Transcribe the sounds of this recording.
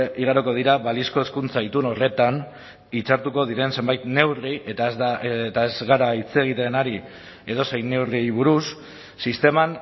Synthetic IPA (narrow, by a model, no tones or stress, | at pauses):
ʔiɣ̞aɾoko̞ð̞iɾaβalisko̞eskunt͡sait̪uno̞re̞t̪an | it͡ʃaɾt̪uko̞ðiɾe̞nse̞mbajt̪ne̞wriet̪azat̪ae̞zɣaɾait͡se̞ɣ̞it̪e̞naɾi | e̞ðo̞sejne̞wriβuɾusː | ist̪e̞man